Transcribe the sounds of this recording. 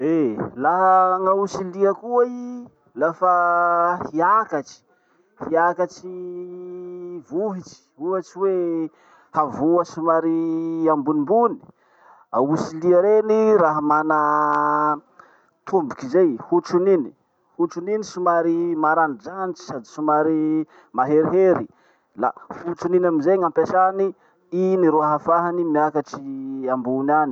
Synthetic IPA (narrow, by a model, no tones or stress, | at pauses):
elaɦəŋausiliəkuai | lafahiakat͡ʃi̥ | hiakat͡ʃi | vuɦit͡ʃi̥ɦuat͡ʃiwe | havuəsimaɾiambunimbuni̥ | ausiliaɾeniraɦamanə | t̪ʰumbikizejhuʈ͡ʂunini̥ | huʈ͡ʂuninisimaɾimaɾanid͡ʒanit͡ʃi̥sad̪isimaɾi | maɦeɾiɦeɾi | la̰hut͡ʃuninamizeɲampesani | iniɾoaɦafaɦanimiakaʈ͡ʂiambunani